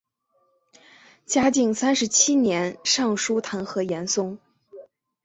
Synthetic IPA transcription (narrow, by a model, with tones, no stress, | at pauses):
t͡ɕja˥t͡ɕi˥˩ŋsa˥nʂɻ̩˧˥t͡ɕʰi˥njɛ˧˥nʂɑ˥˩ŋʂu˥t̪ʰa˧˥nxɤ˧˥jɛ˧˥nsʊ˥ŋ